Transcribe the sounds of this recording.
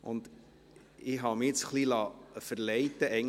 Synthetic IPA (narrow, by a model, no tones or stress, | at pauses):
ʊ̰nd̪ | ɪɦɑmɪɪt͡sχlilɑfəɾlɛɪt̪əɛɪ